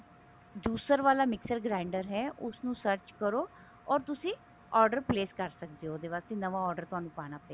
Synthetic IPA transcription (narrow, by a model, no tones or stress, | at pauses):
d̪uːsəɾʋaːlaːmɪksəɾɡɾaːɪɳɖəɾɦɛːʔʊsnũːsəɾt͡ʃkəɾoː | ɔːɾt̪ʊsĩː | ɔːɾɖəɾpleːskəɾsək̚d̪eːoːd̪eːʋaːst̪enəʋaːɔːɾɖəɾt̪ʊɦaːnũːpaːnaːpɛeː